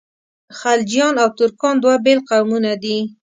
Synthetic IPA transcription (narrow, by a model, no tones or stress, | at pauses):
xald͡ʒijɑnawt̪ʊɾkɑnd̪wabelqawmunad̪i